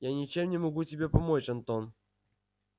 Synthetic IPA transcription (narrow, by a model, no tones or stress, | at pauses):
janʲɪt͡ɕemnʲɪmɐɡutʲɪbʲe̞pɐmot͡ɕɐnt̪on